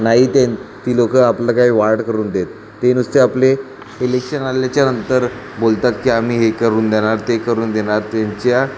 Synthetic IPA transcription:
naɦit̪et̪iːlokəapləkaɦiːʋaɾɽkəɾuːnd̪et̪ːenust̪eaple | ilekʂənaljat͡ɕjanənt̪əɾ | bolt̪at̪kiːam̤iːɦekəɾuːnd̪eɽ̃aɾt̪ekəɾuːnd̪eɽ̃aɾt̪jaɲt͡ɕja

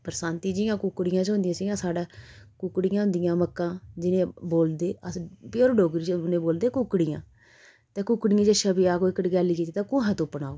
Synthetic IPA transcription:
pəɾsaːnt̪iːd͡ʒɪjãːkʊkɽɪjãːt͡ʃɦõnd̪ijãːsɪɡãːsaːɖaːkʊkːɽɪjãːɦʊ̃nd̪ɪjãːməkːãːd͡ʒɪnẽːboːld̪eːəspoːɾɖoːɡɾit͡ʃʊnẽːboːld̪eːkʊkːɽɪjã̰ː | t̪eːkʊkːɽɪjãːd͡ʒeːʃəbiːaːkoːɪkəʈɡɛːliːkiːt̪iːt̪ãːkʊɦɛ̃ːt̪õːpənaːoː

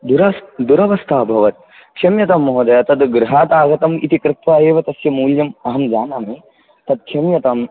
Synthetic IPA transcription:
d̪uɾɐd̪uɾɐʋɐst̪ʰaːbʱɐʋɐt̪̚ | kʃɐmjɐt̪ɐmːɐɦod̪ɐjɐt̪ɐd̪ɡɾuɦaːt̪aːɡɐt̪ɐmḭt̪ikɾɪt̪ʋaːeːʋɐt̪ɐsjɐmuːljɐmɐɦɐmd͡ʒaːnaːme | t̪ɐd̪̚kʃɐmjɐt̪ɐm

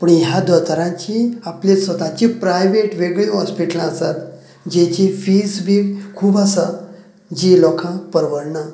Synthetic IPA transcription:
pəɳjad̪ət̪ɾãt͡ɕiapljesʋət̪at͡ɕipɾajʋeʈʋeɡɭiɦɔspiʈəlasat̪ | d͡ʑet͡ɕĩfisbʱikʰuːbasa | d͡ʑilɔkʰãpəɾʋəɽɳa

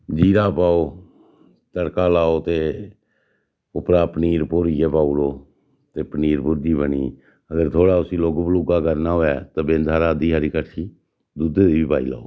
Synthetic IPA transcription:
d͡ʒiːɾaːpaːoː | t̪əɽkaːlaːoːt̪eː | ʊpɾaːpəniːɾpoɾijeːpaːuloː | t̪eːpəniːɾbʊɾd͡ʒiːbəniː | əɡəɾt̪ʰoːɽaːʊsiːloːɡblʊɡaːkəɾnaːɦoːɛːt̪aːbẽːnd̪ʱaːɾaːd̪iːɦaːɾiːkəʈʰiː | d̪ud̪ed̪iːbiːpa̰ːḭːla̰ːoː

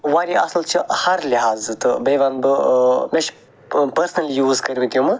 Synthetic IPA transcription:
ʋaːɾiʔɐ̰slt͡ʃʰihɐɾliɦaːzɨt̪ɨbeːʋaːnbɨmeʃ | pɐɾsənɐlijuːzkɐɾʋĩt̪ʲjũmɨ

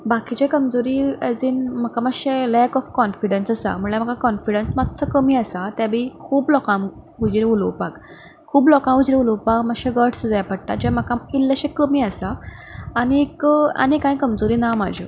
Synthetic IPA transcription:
bakit͡ɕekəmd͡zoɾiːəd͡zinm̤əkamaɕelɛkɔfkɔnfiɽənsəsa̰muɭam̤əkakɔnfiɽənsmat̪ːt͡sʰəkəmiːasat̪jabʱikʰuːblɔkãm | ud͡ʑɾiulwpak | kʰuːblɔkãud͡ʑɾiuləwpakmaɡɕẽɡəʈsd͡zajapəɽʈa̰d͡ʑam̤əkãilːəɕekəmiːasaː | ñika̰nikãj̃kəmd͡zoɾiːnamad͡ʑʱḭ

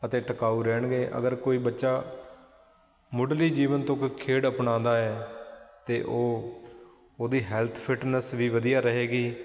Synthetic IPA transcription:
ət̪eːʈəkaːuːɾɛːɳɡeːʔə̰ɡəɾkoːiːbətːʃaː | mʊɖliːd͡ʒiːʋənt̪õːkkʰːeːɽəpɳãːd̪aːɛːt̪eːʔoː | oːd̪iːɦɛːlt̪ʰpʰɪʈnəsʋiːʋəd̪ijaːɾəɦeːɡiː

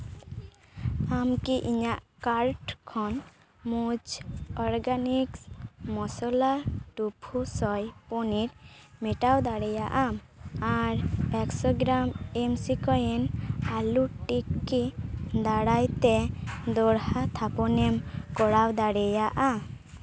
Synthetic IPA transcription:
amkiʔiɲaʔkaɾʈkʰɔn | mud͡ʒɔɾɡaniksmɔsɔlaʈupʰusɔjpɔniɾmɛʈawd̪aɽɛjaʔamaɾɛksɔɡɾamɛmsikɔjɛnaluʈikːid̪aɽajt̪ɛd̪ɔɽhat̪ʰapɔnɛmkɔɽawd̪aɽɛjaʔa

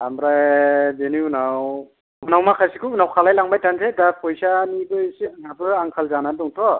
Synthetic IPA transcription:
amɾajbeniunaw | unawmakʰajsikʰuunawkʰalajlaŋbajtansedapʰɔjsanibɯjsinapɾaŋkʰalzanadɔŋtʰɔ

